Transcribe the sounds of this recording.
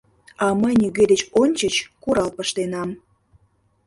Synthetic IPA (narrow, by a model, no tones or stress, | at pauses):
ɑməjniɣed̪et͡ɕonʲt͡ɕət͡ɕkuɾɑlpəʃt̪enɑm